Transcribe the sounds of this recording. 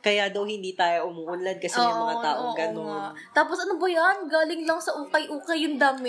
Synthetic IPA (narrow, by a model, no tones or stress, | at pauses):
kɐjad̪ɐwhɪnd̪iːt̪aːjoʔʊmuːʔʊnlɐd̪̚kɐsɛjʊŋmɐŋat̪aːʔʔoʔɡɐnon | t̪aːposʔɐnobɐjɐnɡaːlɪŋlɐŋsɐʔuːkɐjʔuːkɐjːʊŋd̪aːmɪ